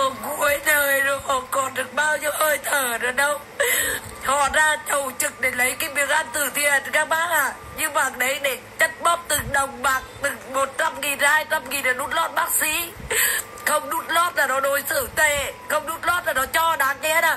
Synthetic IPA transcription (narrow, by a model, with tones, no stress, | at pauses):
ɔ˨˩ku˨˦əjtəː˨˩jɗo˨˦kɔ˨˩kɔ˨˩nɗɨ˨˩ək̚ɓaː˧wɲə˧wʔəː˧jt̪ʰəː˨˩ɗə˨˦ɗə˧w | hɔ̰˧˨zaː˧t͡ɕə˨˩wt͡ɕɨ˨˩k̚ɗe˧˩lə˨˦jkaː˨˦jɓi˨˦əŋʔa˧nt̪ɨ˨˧˩t̪ʰḭ˧˨ənkaː˧˥ɓaː˦˥k̚ʔaː˧˨˩ | ɲɨ˧ŋmaː˨˩ŋɗə˨˦jɗe˧˩t͡ɕə˦˥t̚ɓə˦˥p̚t̪ɨ˨˩ŋɗə˨˩wŋ͡mmaː˨˩k̚t̪ɨ˨˩ŋmo˨˩t̚t͡ɕa˧mŋi˨˩nzaː˧jt̪a˧mŋi˨˩nlaː˨˩nu˦˥t̚lɔ˦˥t̚ɓaː˦˥k̚sḭ˧˦ | xə˧wŋ͡mɗu˦˥t̚lɔ˦˥t̚laː˨˩nɔ˨˦ɗo˨˦jsɨ̰˧˩t̪e˧˨xə˧wŋ͡mnu˦˥t̚lɔ˦˥t̚laː˨˩nɔ˨˦t͡ɕɔ˧ɗaː˨˦ŋɲ˧a˨˦aː˨